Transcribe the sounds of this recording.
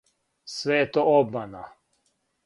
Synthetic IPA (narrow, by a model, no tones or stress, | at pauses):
sʋejet̪oobmana